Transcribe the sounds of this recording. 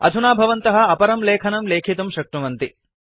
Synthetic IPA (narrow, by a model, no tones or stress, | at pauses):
ɐ̰d̪ʱunaːbʱɐʋɐnt̪ɐɦɐ̆ɐpɐɾɐmleːkʰɐnɐmleːkʰit̪ɐmʃɐk̚ʈumɐnt̪i